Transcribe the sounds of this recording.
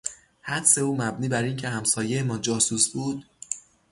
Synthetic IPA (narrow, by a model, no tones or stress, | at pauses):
hæd̪se̞uːmæbniːbæɾiːŋcʰe̞hæmsɒːje̞emɒːd͡ʒɒːsusbuːd̪̥